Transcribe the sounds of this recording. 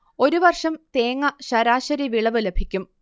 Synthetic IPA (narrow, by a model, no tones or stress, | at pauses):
o̞ɾuʋɐrʂɐmt̪eːŋːɐɕɐɾaːɕɐɾiʋiɭɐʋɨlebʱikʲːum